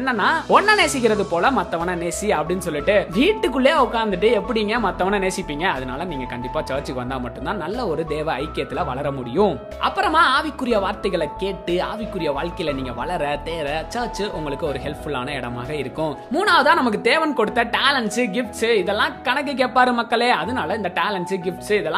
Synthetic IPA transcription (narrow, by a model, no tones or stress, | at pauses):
ɛnːɐnːaːɔnːɐneːsɪkːɪɾɐðɯpoːlɐmɐt̪ːɐʋɐnɐneːsiɐpːɐɽɪnːɯsɔlːɪʈːɯʋiːʈːɯkːɯɭːeːʊkːaːɾnd̪ɯʈ̬ːɯɛpːɐɽɪiːŋɡɐmɐt̪ːɐʋɐnɐneːsɪpːiːŋɡɐːðɯnaːlɐniːŋɡɐkɐɳɖɪpːaːt͡ʃɐːɾt͡ʃɯkɯʋɐnd̪aːmɐʈːɯnt̪ãːnɐlːɐɔɾɯd̪eːʋɐɐɪkːɪjɐt̪ːɪlɐʋɐ̰ɭɐɾɐmʊɽɪjʊ̃ | ʔɐ̰pːɯɾɐmaːaːʋɪkːɯɾɪjɐʋaːɾt̪ɐɪɣɐɭɐkeːʈːɯaːʋɪkːɯɾɪjɐʋaːɭkɐɪjɪlɐniːŋɡɐʋɐɭɐɾɐt̪eːʋɐt͡ʃɐːɾt͡ʃɯʔʊŋɡɐɭɯkːɯɔɾɯɦɛlfʊɭa̰ːnɐɪɽɐma̰ːɣɐɪɾɯkːʊ̃muːnaːʋɯðãːnɐmɐkːɯt̪eːʋɐnkɔɽɯt̪ːɐʈaːlɐɳsɯɡɪfʈsɯɪðɛlːãːkɐɳɐk̬ːɯk̬eːʈpaːɾɯmɐkːɐɭeːɐðɯnaːlɐɪnd̪ɐʈaːlɐɳsɯɡɪfʈsɯɪðɛlːã